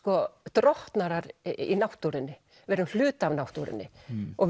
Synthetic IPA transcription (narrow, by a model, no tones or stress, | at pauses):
kɔt̪ɾɔht̪naɾaɾḭnawht̪uɾɪnːɪ | vɛɾʏml̥ʏːt̪avnawht̪uɾɪ̰nːɪɔɣ